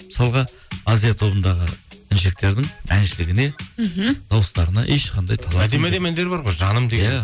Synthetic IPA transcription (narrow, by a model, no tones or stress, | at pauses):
mə̥sɑlˠʁɑ | azijat̪ʰo̞bənd̪ɑʁəɪnʃ̬e̞k̚t̪e̞ɾd̪ɪŋænʃɪlɪɡʲɪne̞ | d̪̥ɑwəst̪ɑɾənɑʔeʃqʰɑnd̪ɑjt̪ʰɑlˠɑæd̪emæd̪emænd̪eɾbɑɾʁo̞jʒɑnəmd̪e̞ɡjeæ